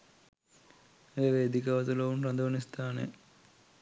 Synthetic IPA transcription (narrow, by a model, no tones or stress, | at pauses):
eːʋeːd̪ikɐʋɐt̪ulɐʋunrɐd̪ɐʋɐnist̪ʰaːnḛ